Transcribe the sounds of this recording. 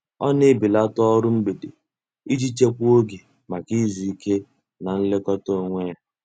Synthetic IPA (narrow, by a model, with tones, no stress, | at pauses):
ɔ˦nɪ˦bi˨la˦tɔ˦ɾʊ˦m̩˦be˨dḛ˨ | i˦d͡ʒi˦t͡ʃe˦kʷu˦o˦ɡe˨ | ma˨ki˦zu˨i˦ke˦ | na˨n̩˦lɪ˦kɔ˦to˦˨ŋʷe˦a˦